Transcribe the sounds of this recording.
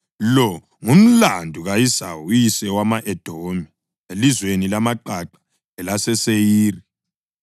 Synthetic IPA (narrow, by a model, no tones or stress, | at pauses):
lɔ | ŋum̩landʱuɣajisa̰wujisɛwamaʔɛd̥ʱomi | elizwenilamaǃaǃḁ | ɛlasɛsejiːri